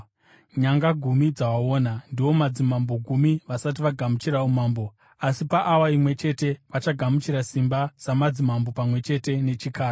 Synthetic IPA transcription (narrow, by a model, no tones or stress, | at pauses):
ɲaŋɡaɡʱumid͡zawaoːnandiwo̞mad͡zimambo̞ɡʱumiʋasat̬iʋaɡʱamut͡ʃiɾaumaːmbo̞ | asipaʔawaimwe̞t͡ʃe̞te̞ʋat͡ʃaɡʱamut͡ʃiɾasimbasamad͡zimambo̞pamwe̞t͡ʃe̞te̞ne̞t͡ʃikaːra